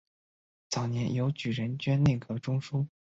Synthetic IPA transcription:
t͡sɑ˨˩ʊnjɛ˧˥njo˧˥ʊt͡ɕy˨˩ɻə˧˥nt͡ɕɥɛ˥nne˥˩kɤ˧˥ʈ͡ʂʊ˥ŋʂu˥

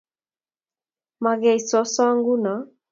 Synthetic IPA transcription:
ma˨ɣɛ˨i˨sɔ˨˦sɔ˦a˦ŋɡu˦na˨˦

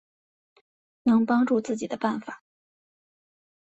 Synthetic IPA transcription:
nɤ˥ŋpɑ˥ŋʈ͡ʂu˥˧t͡sɹ̩˥˩t͡ɕi˨˩d̪ə˦pa˥˩nfa˨˩˦

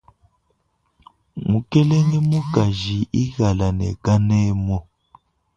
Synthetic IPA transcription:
mu˨kɛ˦lɛ˦ŋɛ˦mu˦ka˨ʒi˨ʔi˦ɣa˨la˨nɛ̰˨ka˦nɛ˦mɔ˦

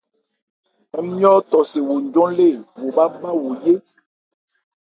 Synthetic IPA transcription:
ɛ˦mĩ˦ɔ˦t̪ɔ˨se˨wo˨ɲ˦d͡ʒɔ̃˦le˦˨wo˨ba˦ba˦wo˨je˦

